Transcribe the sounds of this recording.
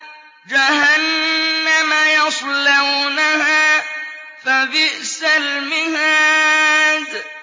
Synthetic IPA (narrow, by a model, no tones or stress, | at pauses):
d͡ʒahanːamajɑsˤlawnahaː | fabɪʔsalmɪhaː | d